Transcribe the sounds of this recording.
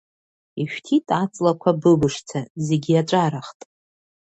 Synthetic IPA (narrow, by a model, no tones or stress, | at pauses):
iʃᶣtʰitʼat͡sʼlakʷʰabɨbɨʂt͡sʰaze̞ɡʲiaʈ͡ʂʷʼaɾaχtʼ